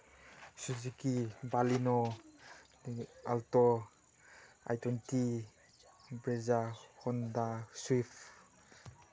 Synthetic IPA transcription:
suzikibalinɔ | altɔ | a̰jtwenti | bɾezahɔndaswipʰ

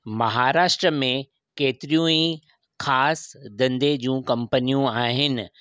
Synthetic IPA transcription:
mɐɦaːɾaːʃʈɾəmẽ | keːt̪ɪɾijũi | xʰaːsd̪ɐ̃nd̪ed͡ʑũːkɐ̃mpənijũaːɦɪnɪ̆

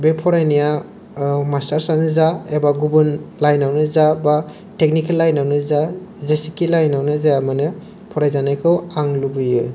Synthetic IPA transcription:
bepʰɔɾajnija | mastaɾsanɯzaebaɡubɯnlajnawnɯzaba | tek̚nikelːajnawnɯzazesikːilajnawnɯzaamanɯ | pʰɔɾajzanajkʰɯwaŋlubɯjɯ

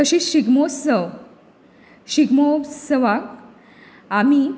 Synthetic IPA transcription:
t̪əɕiɕiɡmosəʋ | ɕiɡmosəʋak | ami

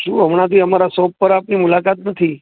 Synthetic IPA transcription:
ʃũɦəmɳ̃ãt̪iəmaɾasɔp̚pəɾapnimulakat̪nət̪ʰi

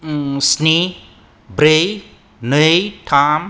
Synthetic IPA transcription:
sni | bɾej | nət̪ʰam

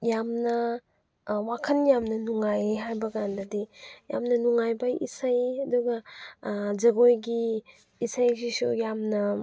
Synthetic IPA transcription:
jamnɐ | wakʰɐnjamnɐnuŋajɦajbɐɡandɐdija̰mnɐnuŋajbɐḭsajɐduɡɐ | zɐɡojɡi | isajsisujamnɐ

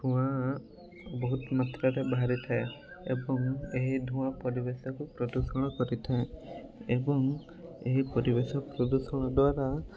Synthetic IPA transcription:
d̪ʱũwa | bɔɦut̪mat̪ɾaɾebaɦaɾit̪ʰae | ḛbɔŋeɦid̪ʱũapɔɾibesɔkupɾɔd̪usɔɽ̃ɔkɔɾit̪ʰaeebɔŋ | eɦipɔɾibesɔpɾɔd̪usɔɽ̃ɔd̪waɾa

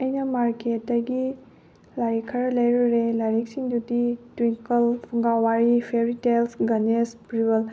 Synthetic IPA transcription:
ɐjnɐmaɾketdɐɡi | laɾikʰɐɾɐlɐjɾuɾelaɾik̚siŋdutitwiŋkɐlpʰuŋɡawaɾipʰeɾitelsɡɐnespɾibɐl

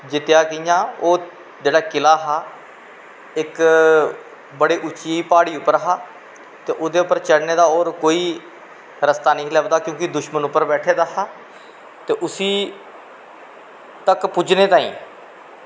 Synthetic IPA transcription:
d͡ʒɪt̪jaːkɪjãːoː | d͡ʒeːɽaːkɪlaːɦaː | ɪk | bəɽeːʔʊt͡ʃiːiːpaːɽiːʊpːəɾɦaː | t̪eːʔʊd̪eːʊpːəɾt͡ʃəɽneːd̪aːɔːɾkoːiː | ɾəst̪aːnəĩːlɛːʋd̪aːkjõːkɪd̪ʊʃmənʊpːəɾbɛːʈʰeːd̪aːɦaː | t̪eːʔʊsiː | t̪əkpʊd͡ʒneːt̪ãːḭ̃ː

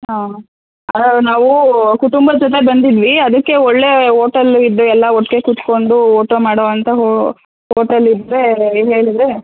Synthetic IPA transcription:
ɦa | ɐnaːʋukuʈumbɐd͡ʒɔt̪̬e̞bɐnd̪id̪ʋiɐd̪ɐkːe̞ɔɭːe̞ɦoːʈɐlid̪ːuɛlːɐoʈːke̞kut̪ko̞ɳɖuoːʈomaːɽoːʋɐnt̪ʰɐɦ | hoːʈɐlid̪ɾe̞ɦe̞ːɭid̪ɾe

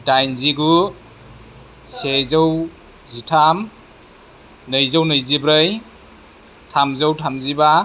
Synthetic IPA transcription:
dajnziɡu | sezɯw | zitʰam | nɯjzownɯjzibɾɯj | tʰamzəwtʰamziba

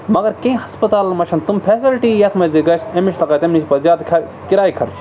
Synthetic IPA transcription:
mɐɡɐɾkẽĩɦɐspɐt̪aːlmɐt͡ʃʰɐnt̪umpʰeːsilʈiːjɐk̪ʰmed͡ʒiɡɐsemiʃt̪lɐkɐt̪emnit͡ʃpɐzjaːd̪kʰɐ | kiɾaːikʰɐɾt͡ʃʰ

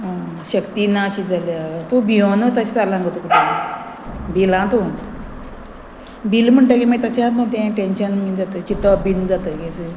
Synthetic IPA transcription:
ɕəkt̪inaɕid͡zaljat̪obionət̪aɕit͡saɾlãŋɡət̪ukut̪e | bilãt̪o | bilm̤əɳʈək̬iməɡit̪ət͡ɕãt̪mə̃t̪ɛ̃ʈẽnɕənmid͡zat̪ət͡ɕit̪ːəəbind͡zat̪əɡɛt͡sə

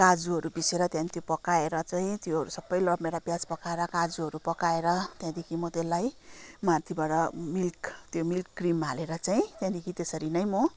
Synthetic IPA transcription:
kad͡zuɦʌɾubiseɾʌt̪jãnit̪jopʌkaeɾʌt͡saĩt̪joɦʌɾusʌbːʌjlʌbmeɾabjad͡zpʌkaeɾʌkad͡zuɦʌɾupʌkaeɾʌt̪jãd̪ikʰimʌt̪elːajmart̪ʰibaɽʌmilkt̪jomilkːrimaleɾʌt͡saĩt̪jãd̪ikʰit̪esʌɾinʌjmo

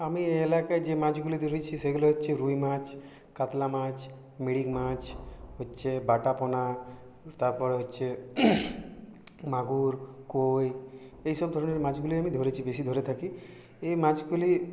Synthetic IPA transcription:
amielakaed͡ʒemãt͡ʃɡulid̪ʱoɾit͡ʃʰiseɡulɔɦɔtːt͡ʃʰeɾujmãt͡ʃ | kat̪lamãt͡ʃʰ | miɽiɡmat͡ʃɦotːʃʰebaʈapɔna | t̪aɾpɔɽɦɔtːt͡ʃʰe | maɡuɾkojejsɔbd̪ʱɔɾɔneɾmãt͡ʃɡuliamid̪ʱɔɾit͡ʃʰibesid̪ʱɔɾet̪ʰaki | emãd͡ʒɡuli

